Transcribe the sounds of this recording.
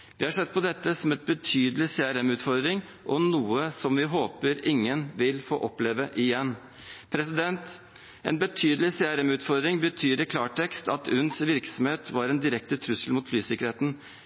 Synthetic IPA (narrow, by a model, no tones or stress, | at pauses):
ʋɪhɑʂɛd̪ːpʰɔd̪ɛt̪ːəsɔmɛt̪̚bət̪ʰyːd̪əlɪseæɾɛmʉːt̪fɔɾd̪ɾɪŋ | ʔɔnuːəsɔmʋɪɦoːpəɾɪŋːənʋɪlfo̰ːʔɔpleːʋəʔɪjɛnː | pʰɾɛsɪd̪ɛnt̪ | ḛːnbət̪ʰyːd̪əlɪseːæɾɛmʉːt̪fɔɾd̪ɾɪŋbət̪ʰyːɾɪkʰlɑːʈʰɛkst̪ɑt̪ʉnsʋɪɾksɔm̩heːt̪ʰʋɑɾɛːnd̪ɪɾɛkt̪ət̪ʰɾʉsəlmʊːt̪flyːsɪkəɾeːt̪n̩